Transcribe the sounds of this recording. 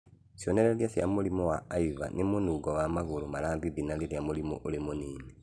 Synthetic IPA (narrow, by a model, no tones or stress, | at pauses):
sjoneɾeljasja̰mulimowaːiβa̰nimunuɡɔwamaɣolomalaːmbiβinaliljamulimo̰ʔolemoniːne